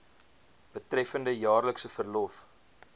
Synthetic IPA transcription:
b̥ətrɛfəndəjɑːrləksəfərlɔf

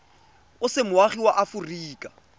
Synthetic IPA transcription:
ʊsɪmʊwaχiwaʔafuriːkʼa

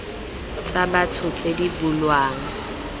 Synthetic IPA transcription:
t͡sʼabat͡sʰʊt͡sʼedibulwaːŋ̩

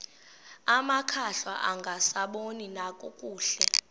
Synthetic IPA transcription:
amakʰaɬwaʔaŋɡʱasaɓoninakʼɔkʼuːɬɛ

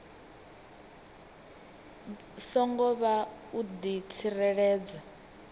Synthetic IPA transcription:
sɔŋɡɔβaud̪it͡sʰirɛɺɛːd͡za

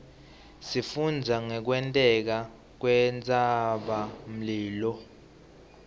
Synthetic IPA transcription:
sifund͡zʱaŋɛk̬wɛntʼɛk̬a | k̬wɛnt͡sʼaɓam̩liːlɔ

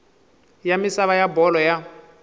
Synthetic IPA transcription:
jamisaβajabɔlɔja

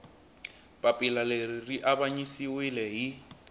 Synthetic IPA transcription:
pʼapʼɪlaleririʔaβaɲisiwɪlɛɦi

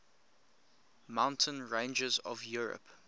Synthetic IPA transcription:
mãʊ̃ntʰə̃nɹẽɪ̃nd͡ʒəzɔ̰vjuːɹə̰p

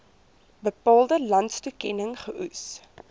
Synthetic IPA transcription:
bəpɑːlˠdəlɐntstukɛnəŋχəʔus

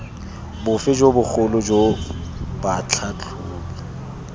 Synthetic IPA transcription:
bʊfɪd͡ʒobʊk͡xʊlʊd͡ʒo | bat͡ɬʰat͡ɬʰʊːka

